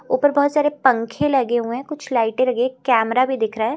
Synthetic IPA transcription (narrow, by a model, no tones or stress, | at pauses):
uːpəɾbɔɦːʊt̪saːɾepɐ̃ŋkʰẽlɐɡeɦuẽkʊt͡ʃʰlaːɪʈẽlɐɡeẽkɛːmɾabʱid̪ɪkʰɾaːɦɛː